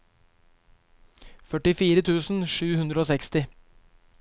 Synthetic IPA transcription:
fœʈɪfiːɾət̪ʰʉːsn̩ʃʉːhʉnd̪ɾəoːsɛkst̪ɪ

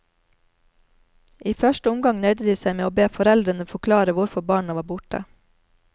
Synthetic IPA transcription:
ʔiːfœʃʈəʊmɡɑŋnœʏd̪əd̪iːsæɪmeːoːbeːfɔɾɛld̪ɾənəfɔkʰlɑːɾəʋʊɾfɔbɑːɳəʋɑːbʊʈə̰

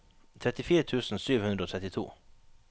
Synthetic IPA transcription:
t̪ʰɾɛt̪ɪfiːɾət̪ʰʉːsn̩syːʋhʉnd̪ɾəoːtʰɛt̪ɪt̪ʰṵː

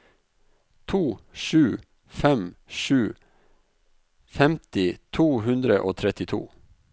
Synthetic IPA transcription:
t̪ʰuːʃʉː | fɛmʃʉː | fɛmt̪ɪt̪ʰuːhʉnd̪ɾəʔo̰ːt̪ʰɾɛt̪ɪt̪ʰṵː

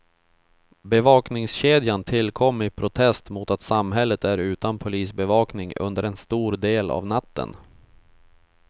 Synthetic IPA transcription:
bɛvɑːknɪŋsɕeːd̪jant̪ʰɪlːkʰɔmːɪpʰɾʊt̪ʰɛst̪muːt̪at̪samɦɛlːət̪æɾʉ̟ːt̪anpʰʊliːsbɛvɑːknɪŋɵ̰nd̪əɾɛnst̪uːɾd̪eːla̰vnat̪ʰːə̰n

